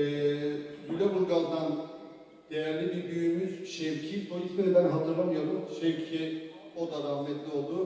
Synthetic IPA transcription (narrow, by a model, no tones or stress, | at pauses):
ɛzylʲɛbuɾˠɡalˠd̪an | d̪̥ejæɾlʲibiɾb̪yjymyzʃejcʰipʰo̞lʲizined̪ænɦat̪ʰɯɾlˠamjaɾɯʃejcʰi | od̪ad̪amʲɛt̪lʲio̞lˠd̪ʊ